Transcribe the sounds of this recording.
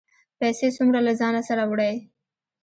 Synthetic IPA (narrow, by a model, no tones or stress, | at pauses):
pɛsesumɾalazɑnasaɾawɽaj